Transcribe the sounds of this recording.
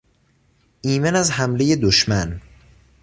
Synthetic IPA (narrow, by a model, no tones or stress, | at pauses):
ʔiːmenæzhæmle̞je̞d̪oʃmæn